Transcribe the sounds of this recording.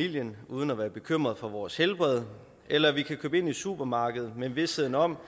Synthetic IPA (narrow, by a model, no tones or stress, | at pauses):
il̰jənuːð̞ˠn̩æʋæːɐb̥e̝kʰøm̰ʁɐðˠfɒ̽ʋɒːshelb̥ʁɛðˠ | ʔelɐʋikʰækʰøːbe̝ni̥sṵb̥ɐmɑ̈ːɡ̥əð̞̩ˠmenʋe̝sheð̰ˠn̩ɒ̽m̰